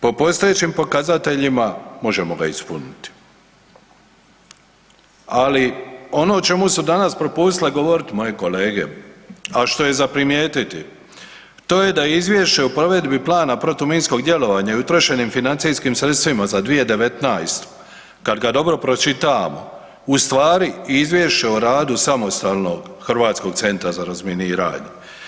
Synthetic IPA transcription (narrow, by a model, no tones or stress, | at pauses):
po̞po̞st̪oje̞t͡ɕimpo̞kazat̪e̞ʎimamo̞ʒe̞moɡa̰ispunit̪i̥ | alio̞no̞ːt͡ʃe̞musud̪anaspɾo̞puːst̪ileɡo̞ʋo̞ɾit̪mo̞je̞ko̞leːɡe̞̰aʃt̪o̞je̞zapɾimje̞ːt̪it̪i | t̪o̞ːje̞d̪aizʋjeʃt͡ʃe̞upɾo̞ʋe̞d̪biplˠaːnapɾo̞t̪umiːnsko̞ɡd̪je̞lo̞ʋaːɲaiut̪ɾoʃe̞niːmfinant̪siːskimsɾe̞t̪st̪ʋimazad̪ʋijed̪e̞ʋe̞t̪naːjst̪ | kad̪ɡad̪o̞bɾo̞pɾo̞t͡ʃit̪amo̞̰ | ust̪ʋaːɾiizʋjeʃt͡ʃe̞oɾaːd̪usamo̞st̪aːlˠno̞ɡxɾʋaːt̪sko̞ɡ̥̚t̪se̞nt̪ɾazaɾazmjeniːɾa̰ːɲe